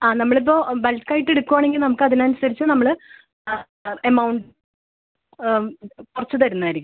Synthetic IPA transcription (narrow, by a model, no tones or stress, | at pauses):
aːnɐmːɐɭip̬ːobɐlkːaːjʈːe̞ɽukːuʋaːɳe̞ŋɡilnɐmukːɨɐðinɐnusɐɾit͡ɕːɨnɐmːɐɭ | ɐmɐwɳɖ | kurɐt͡ɕːuðɐɾunːɐɐjiɾikʲː